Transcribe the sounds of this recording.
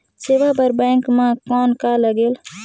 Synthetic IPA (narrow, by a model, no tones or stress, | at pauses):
seːʋabəɾbɛ̃ːŋkmãkɔːnkaləɡeːl